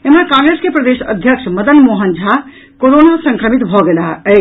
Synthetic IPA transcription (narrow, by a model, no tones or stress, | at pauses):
emakãŋɡɾeskepɾəd̪esə̰d̪ʱjəkʂməd̪ənmoɦənd͡ʒʱa | koɾonasə̃ŋkɾəmit̪bʱɔɡelaɦə